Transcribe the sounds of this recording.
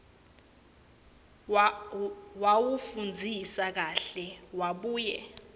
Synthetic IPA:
wawufund͡zʱisak̬aɬɛwaɓuːjɛ

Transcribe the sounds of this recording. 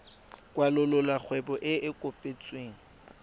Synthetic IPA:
kʼwalʊlʊlwak͡xʰwɛbɔʔɪɪkʼʊpʼet͡sʼweːŋ̩

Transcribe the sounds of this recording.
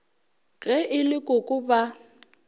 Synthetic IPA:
ɣɛʔɪlɪkʼʊkʼʊba

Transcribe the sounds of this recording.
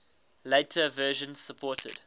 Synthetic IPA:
leɪtʰəvɜːʒə̃nz̥səpʰɔːˑtʰə̰d̥

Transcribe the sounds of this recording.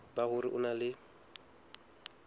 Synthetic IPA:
bahʊɾɪʔʊnalɪ

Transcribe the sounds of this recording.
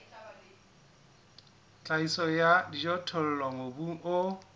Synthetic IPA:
t͡ɬʼaisɔjadid͡ʒɔtʰʊl̩lwaŋobuŋʊ

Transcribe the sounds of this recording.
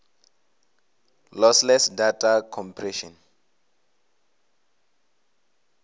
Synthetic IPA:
lɔslɛsdatʰakʰɔ̃mpʰrɛʃɔ̃n

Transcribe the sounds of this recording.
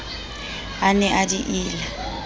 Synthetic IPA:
anɛʔadiʔɪːla

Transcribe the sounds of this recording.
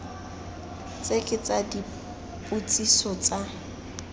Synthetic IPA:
t͡sʼekʼɪt͡sadi | pʼut͡sʼisɔt͡sʼa

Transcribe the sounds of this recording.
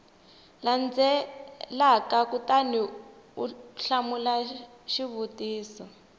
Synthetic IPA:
land͡zɛlakakutaniuɬamula | ʃiβutiːsɔ

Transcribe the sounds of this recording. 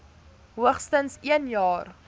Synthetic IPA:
ɦuəχstənsiənjɑːr

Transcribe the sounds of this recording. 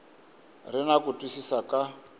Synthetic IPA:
rɪnakutʼwisisaka

